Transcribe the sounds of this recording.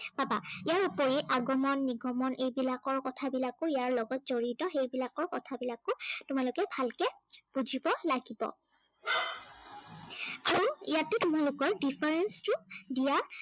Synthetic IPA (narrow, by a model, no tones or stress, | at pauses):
babaijaɹupoɹiʔaɡɔmɔnːiɡɔmɔnʔejbilakɔɹkɔtʰabilakʊijaɹlɔɡɔt̚zoɹitɔxejbilakɔɹkɔtʰabilakʊtʊmalʊkɛbʱalkɛb̥uzibɔlaɡibɔ̰ | a̰ɹuijatːʊtʊmalʊkɔɹdipʰaɹɛnstʊdija